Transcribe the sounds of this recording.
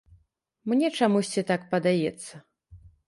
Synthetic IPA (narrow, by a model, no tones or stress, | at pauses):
mnʲɛt͡ʂamusʲt͡sʲit̪ak̚pɐd̪ajɛt̪sːɐ